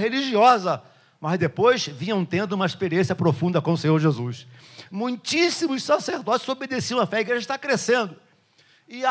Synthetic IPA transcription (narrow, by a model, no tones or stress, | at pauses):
ɦeliʒiɔzɐ | mɐzd̪epojsvĩɲɐ̃w̃t̪ẽnd̪ʊũmɐeʃpeɾiẽsjɐpɾofũnd̪ɐkõmʊsẽɲoɾʒezusmũj̃t͡ʃisimʊssaseɾd̪ɔt͡ʃɪzobed̪esiɐ̃w̃ɐfɛiɡɾeʒɐt̪akɾesẽnd̪ʊ | ɪ